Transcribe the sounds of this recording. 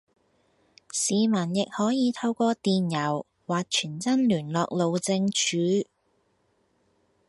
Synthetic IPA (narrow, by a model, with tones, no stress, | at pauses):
siː˨˧mɐ˨˩njɪ˨k̚hɔː˨˥jiː˨˧t̪ʰɐ˧wkʷɔː˧t̪iː˨njɐ˨˩w | waː˨k̚t͡ʃʰyː˨˩nt͡sɐ˥nlyː˨˩nlɔː˨˧k̚lo˨wt͡sɪ˧ŋt͡ʃʰyː˨˥